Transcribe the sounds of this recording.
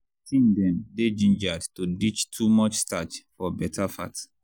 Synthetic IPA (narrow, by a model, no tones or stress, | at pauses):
tʰĩndɛ̃mded͡ʒĩnd͡ʒadtudit͡ʃtʰumɔt͡ʃstat͡ʃfɔbɛtʰafa̰t